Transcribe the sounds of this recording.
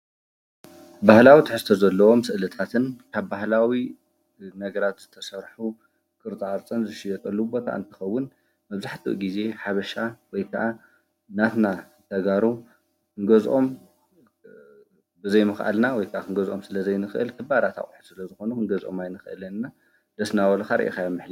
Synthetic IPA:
bahlawit̪ʰɨħɨst̪ʰozɐlːɐwo̞msɨʔlɨt̪ʰat̪ʰɨnkʰaβbahlawi | nɐɡɐɾat̪z̥ɨt̪ʰɐsɐɾħu | kʼɨɾt̪ʼaɾt͡sʼɐnzɨʃijɐt̪ʼɐlːubo̞t̪ʰa̰ʔɨ̰nt̪ʰɨ̥xɐwːʊn | mɐβzaħt̪ʰḭʔɡize̞ħaβɐʃawɔjkʰɐ̰ʔa | nat̪na | t̪ʰɐɡaɾu | kʰɨŋɡɐzʔo̞m | bɨzɐjmɨxʔa̰lnawɔjkʰɐʔakʰɨŋɡɐzʔo̞msɨlɐzɐjnɨxɨʔɨ̰lkʰɨbaɾat̪ʰa̰χʼħusɨlɐzɨxo̞nukʰɨŋɡɐzʔomajnɨxʔɨ̰lɐnɨnːa | d̪̥ɐsnawɐlɐxaɾɐ̰ʔḭkajamːɨħli

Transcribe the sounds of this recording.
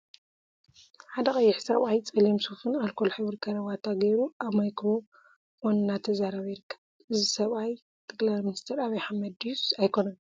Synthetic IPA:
ħad̪ɐkʼɐjːɪħsɐβajt͡sʼɐlimsufɨnalkʰolħɨβɨɾkʰɐɾɐβat̪ʰaɡejɾuʔaβmajkɾo̞ | wonnat̪ʰɐzaɾɐβjɾkʰːḁ | ɨzisɐβaj | t̪ʰɐɡlajminist̪ʰɐɾaβɐjħamɐd̪jusajkʰo̞nɐn

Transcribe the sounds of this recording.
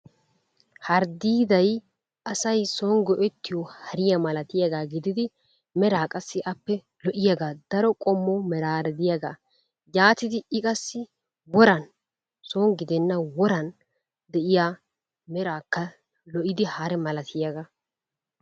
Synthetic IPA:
hɐɾd̪iːd̪ɐj | ɐsɐjsɔŋɡɔʔɛt̪ːɪjɔhɐɾɪjɐmɐlɐt̪ɪjaɡaːɡɪd̪ɪd̪ɪ | mɛɾaːkʼɐsːɪʔɐpːɛ | lɔʔɪjaɡaːd̪̥ɐɾɔkʼɔmːɔmɛɾaːɾɛd̪ɪjaɡa̰ː | jaːt̪ɪd̪ɪɪkʼɐsːɪ | wɔɾɐn | soːŋɡɪd̪ɛnːɐwɔɾɐn | d̪ɛʔɪjaː | mɛɾaːkːɐ | lɔʔɪd̪ɪhaɾɛmɐlɐt̪ɪjaɡa

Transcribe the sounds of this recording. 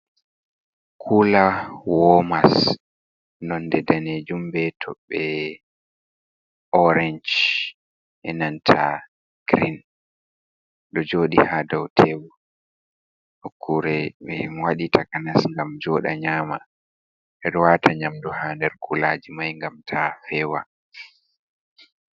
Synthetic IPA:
kʰulawɔmas | nɔndɛdaned͡ʒumbɛtʰɔ̰ɓːɛ | ʔɔɾɛnd͡ʒ | ʔɛnantʰa̰ | ɡ̥ɾin | ɗɔd͡ʒoːɗihadawtʰewu | ʔɔkʰːuɾɛɓɛmwaɗitʰakanasŋɡamd͡ʒɔːɗa̰ɲaːma | ʔɛɗɔwatʰaɲamduhandɛɾkʰulaːd͡ʒimajŋɡamtʰafɛːwa

